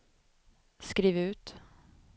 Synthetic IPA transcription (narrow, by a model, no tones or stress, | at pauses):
skɾiːvʉ̟ːt̪